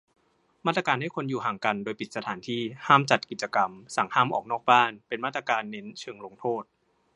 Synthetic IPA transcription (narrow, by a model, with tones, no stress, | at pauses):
maː˥˩t̪ɾa˧kaː˧nha˥˩jkʰo˧njuː˨˩ɦaː˨˩ŋka˧ndoː˧jpi˨˩t̪̚sa˧t̪ʰaː˩˦nt̪ʰiː˥˩haː˥˩mt͡ɕa˨˩t̪̚ki˨˩t̪̚t͡ɕa˧ka˧msa˩˦ŋhaː˥˩mʔɔː˨˩k̚nɔː˥˩k̚baː˥˩npe˧nmaː˥˩t̪ːɾa˧kaː˧nːe˦˥nt͡ɕʰɤː˧ŋlo˧ŋt̪ʰoː˥˩t̪̚